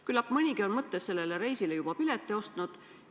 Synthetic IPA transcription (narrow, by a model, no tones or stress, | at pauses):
kylːɑpːˑmɨnʲiɡio̞nmɤt̪ːesse̞lːeleɾe̞jsilejub̥ɑpilet̪ːˑeo̞st̪nud̪̥